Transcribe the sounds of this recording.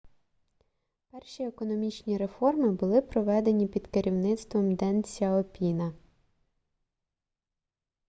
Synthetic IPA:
pɛrʃiekɔnɔmʲit͡ʃnʲiɾe̞fɔrmɪbʊlˠɪpɾɔʋɛd̪e̞nʲipʲid̪̥kɪɾʲiwnɪt̪st̪ʋɔmd̪ɛnt͡sʲɐɔpʲinɐ

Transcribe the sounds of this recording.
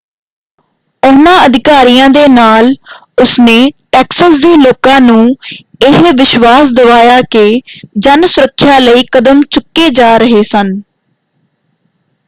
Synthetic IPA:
ʊnãːəd̪ɪkaːɾijãːd̪eːnaːl | ʊsneːʈɛːksəsd̪eːloːkãːnũːɪɦʋɪʃʋaːsd̪əʋaːjaːkeːd͡ʒənsʊɾəkʰːjaːləiːkəd̪əmt͡ʃʊkːeːd͡ʒaːɾəɦeːsən

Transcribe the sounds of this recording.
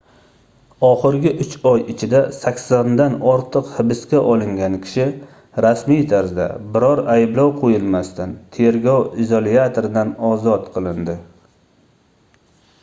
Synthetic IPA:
ɒχɨɾɡʲɪʔʊt͡ʃɒjɪt͡ʃʰɪd̪asakʲsand̪anɒɾt̪ʰɨqhɪbɪskʲaʔɒlˠɪŋɡʲankʲʰɪ̥ʃɪ | ɾasmijt̪ʰaɾzd̪a̰bɪɾɒɾajɪblˠɒwqʰojɪlˠmast̪ant̪ʰe̞ɾɡʲɒwizolˠiat̪ʰoɾɪd̪anɒzɒt̪qʰɨlˠɪnd̪ɪ

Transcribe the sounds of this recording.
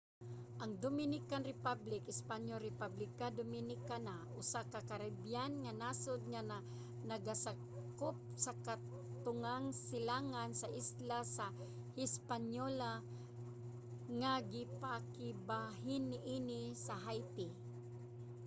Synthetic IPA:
ʔaŋd̪ʊmɪnɪkanɾɪpablɪkɪspaɲjoɾɪpablɪkad̪ʊmɪnɪkanaʔʊsakakaɾɛbjanŋanasʊd̪̚ŋaa | nɐɡasa | kʊp̚saka | t̪ʊŋaŋsɪlaŋansaʔɪslasa | hɪspaɲola | ŋaɡɪpakɪbaɦɪnːɪʔinɪsaɦajt̪ɪ

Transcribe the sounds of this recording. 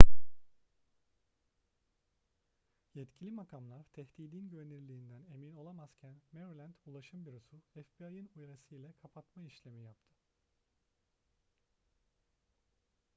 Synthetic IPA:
jɛt̪cʰilʲimakʰamlˠaɾt̪ʰɛht̪iːd̪inɟøveniɾlʲiːnd̪æne̞mino̞lˠamaz̥cʰænmeɾlʲænd̪ulˠaʃɯmbiɾosuɛfbiajɯnujɾasɯjlʲɛkʰapʰat̪maiʃlʲe̞mijap̚t̪ʰɯ

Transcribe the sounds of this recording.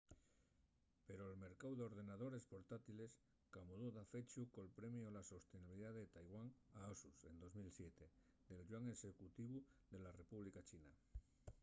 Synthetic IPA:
peɾoelme̞ɾkawðeo̞ɾð̞e̞naðo̞ɾe̞spo̞ɾt̪at̪iles | kamoðoðafet͡ʃukolpɾemjolasost̪eniβiliðaðet̪ajɣwaŋaosusẽ̞nd̪o̞zmilsjet̪e | d̪e̞lʒwaŋesekut̪iβ̞uðe̞lare̞puβ̞likat͡ʃina

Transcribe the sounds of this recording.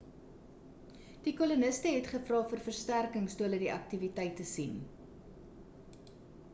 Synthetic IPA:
d̥ikɔlunəstəɦɛtχəfrɑːfərfərstærkəŋstuələdiʔɐk̚tivitəjtəsin

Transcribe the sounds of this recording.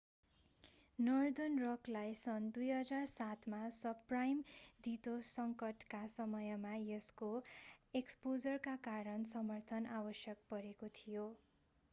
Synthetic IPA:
nʌrd̪ʌnrʌklajsʌnd̪ujɦʌd͡zarsat̪ʰmasʌprajmd̪it̪osʌŋkʌʈkasʌmʌjmajʌskoekspod͡zʌrkakaɾʌnsʌmʌrt̪ʰʌnabʌsjʌk̚pʌɾekot̪ʰijo

